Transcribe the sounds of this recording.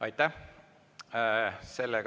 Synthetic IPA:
ɑjt̪ːˑæh | se̞lːeɡ

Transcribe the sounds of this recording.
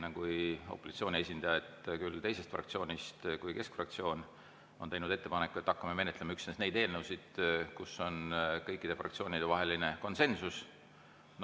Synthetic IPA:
nekujo̰pːˑosit̪sio̞ːnʲie̞s̬ʲind̪̥ɑjɑet̪ːkylt̪e̞jse̞st̪frɑ̰k̚t̪sio̞ːnʲist̪kujke̞skfrɑk̚t̪sio̞ːn | o̞nt̪e̞jnud̪̥e̞t̪ːe̞pɑnekːˑue̞t̪ːɑkːɑmeme̞net̪lemɑyksnesnejd̪eːlnəwsid̪̥kuso̞nkɤjkːˑid̪̥e̞frɑ̰kt̪sio̞ːnid̪̥evɑɦe̞line̞ko̞nse̞nsus | n

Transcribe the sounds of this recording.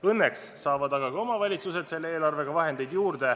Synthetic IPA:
ɤnːe̞ksːɑːvɑd̪ɑɡ̥ɑɡɑo̞mɑvɑlʲit̪suse̞d̪̥se̞lːeeːlɑrve̞ɡ̥ɑvɑɦe̞nd̪̥e̞jd̪juːrd̪̥e̞

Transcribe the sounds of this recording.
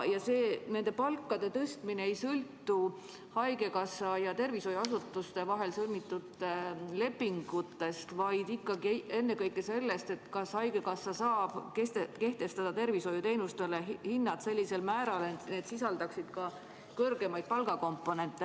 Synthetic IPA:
jɑse̞ːne̞nd̪̥e̞pɑlkːˑɑd̪̥e̞t̪ɤst̪mineejsɤlt̪ːˑu | hɑjɡ̥e̞kɑsɑjɑt̪e̞rviso̞juɑs̬ut̪ːˑust̪e̞vɑɦe̞lsɤlmit̪ːˑud̪le̞pːiŋɡ̥ut̪ːe̞st̪vɑjd̪ikˑːɑɡie̞nːe̞kɤjkːˑese̞lːe̞st̪e̞t̪ːkɑshɑjɡ̥e̞kɑsːɑsɑːb̥kest̪eke̞ht̪e̞st̪ɑd̪̥ɑt̪e̞rviso̞jut̪e̞jnust̪e̞lehinːɑt̪se̞lʲːise̞lmæːɾɑleneːd̪sisɑld̪ɑksid̪̥kɑ | kɤrɡe̞mɑjd̪̚pɑlɡ̥ɑko̞mpːˑo̞ne̞nt̪ːˑe

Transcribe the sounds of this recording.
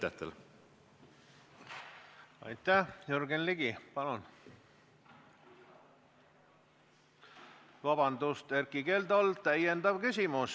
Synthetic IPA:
æt̪ːḛl | ɑ̰jt̪ːæhjuɾɡenliɡipɑlun | vɑbɑnd̪ust̪eɾkike̞ːld̪olt̪æjend̪ɑb̥kysʲimus

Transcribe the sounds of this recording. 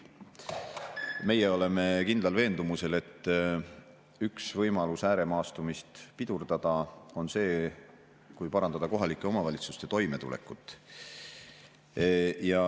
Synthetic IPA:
me̞jeo̞le̞me̞kind̪lɑlve̞ːnd̪̥umuse̞le̞t̪ːˑ | yksvɤjmɑlusæːɾe̞mɑːst̪umist̪pid̪̥urd̪̥ɑd̪̥ɑo̞nse̞ː | kujpɑɾɑnd̪̥ɑd̪ɑko̞ɦɑlikːˑe̞o̞mɑvɑlʲit̪su̥st̪e̞t̪o̞jme̞t̪ṵlḛkːˑut̪ːˑ | jɑ

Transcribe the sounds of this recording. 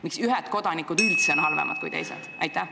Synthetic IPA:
miksyɦɛt̪ko̞d̪̥ɑnikːˑud̪ylt̪seonɦɑlvḛmʔɑ̰d̪̚kṵjt̪e̞̰jsḛd̪̥ʔæjt̪ːˑæh

